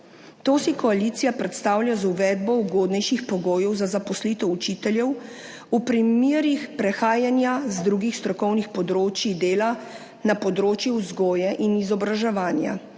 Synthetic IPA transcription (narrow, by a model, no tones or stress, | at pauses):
t̪oːsikɔalit̪sijapɾɛt̪st̪aːwlʲjazuʋɛːd̪̚bɔuɡoːd̪nɛjʃixpɔɡoːjɛwzazapɔslit̪ɔut͡ʃit̪ɛljɛw | upɾimiːɾixpɾɛxaːjanjazd̪ɾuɡixst̪ɾɔkɔwnixpɔd̪ɾoːt͡ʃid̪eːla | napɔd̪ɾoːt͡ʃjɛuzɡoːjɛʔinizɔbɾaʒɛʋaːnja̰